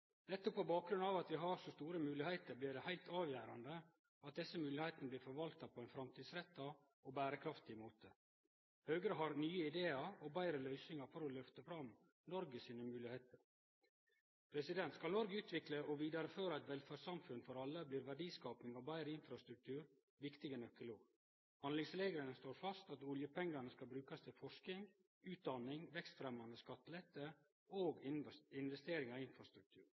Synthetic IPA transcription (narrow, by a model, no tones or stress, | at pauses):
nɛt̪ːɔppʰːɔbɑːk̚ɡɾʉnɑːʋɑt̪ʋɪɦɑɾsɔst̪uːɾəmʉːlɪhæɪt̪əɾbliːɖɛhæɪlt̪ʰɑːʋjæːɾɑ̰nd̪ə | ɑt̪̚d̪ɛsəmʉːlɪheɪt̪ənəbliːɾfɔɾʋɑlt̪ɑpʰɔɛɪnfɾɑmt̪ʰiːd̪sɾɛt̪ːɑ | ɔbæːɾəkʰɾɑft̪ɪmuːt̪ʰə | høːɡɾəɦɑɾnyːəɪd̪eːɑɾɔbæɪɾəlœʏsnɪŋɑɾfɔɾɔlœft̪əfɾɑm | nɔɾɡəsiːnəmʉːlɪheɪt̪əɾ | pʰɾɛsɪd̪ɛnt̪skɑlnɔɾɡəʉːt̪ʋɪkləʔɔʋiːd̪ɑɾəføːɾɑɛt̪ʋɛlfæsɑmfʉnfɔɾɑlːəbliːɾʋæɖiːskɑːpnɪŋɑʋbæɪɾəɪnfɾɑst̪ɾʉk̚t̪ʰʉːɾ | ʋɪkt̪ɪɡənœkəloːɡ | hɑnlɪŋsleːɡəɾənəst̪oːɾfɑst̪ɑt̪ʊljəpʰɛŋɡɑnəskɑlbɾʉːkɑst̪ʰɪlfɔʂkɪŋ | ʉːt̪̚d̪ɑnɪŋʋɛkst̪fɾɛmɑnd̪əskɑt̪ːəlɛt̪ːə | oːɡɪnʋɛst̪eːɾɪŋɑɪnfɾɑst̪ɾʉk̚t̪ʰʉ̰ːɾ